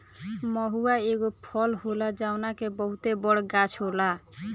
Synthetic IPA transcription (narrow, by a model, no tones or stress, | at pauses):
mɔɦuaeɡopʰɔlɦolad͡ʒaonakebɔɦut̪ebɔɽɡat͡ʃʰɦola